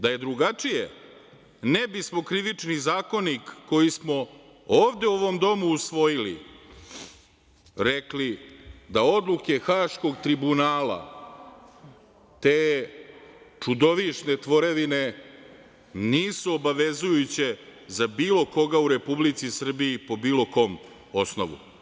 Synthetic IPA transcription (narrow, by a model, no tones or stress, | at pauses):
d̪aje̞d̪ɾuɡat͡ʂijḛ | nebismo̞kɾiʋit͡ʂnizaːko̞nikːo̞jismo̞ | oːʋd̪e̞uoʋo̞md̪o̞muːsʋo̞jilḭ | ɾeklid̪ao̞d̪lˠuke̞xaːʃko̞ɡt̪ɾibunaːla̰ | t̪eː | t͡ʂud̪o̞ʋiʃne̞t̪ʋo̞ɾeʋine̞ | niːsuobaʋe̞zujut͡ɕezabiːlˠo̞ko̞ɡauɾe̞publit̪sisr̩biipo̞biːlˠo̞ko̞ːm | o̞sno̞̰ʋṵ